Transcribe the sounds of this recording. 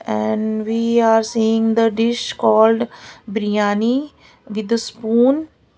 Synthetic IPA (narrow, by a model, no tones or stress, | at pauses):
ɛ̃ɳɖʋiːaːɾsiːɪ̃ŋd̪əɖɪʃkɔːlɖbɾijãːni | ʋɪd̪əspũːn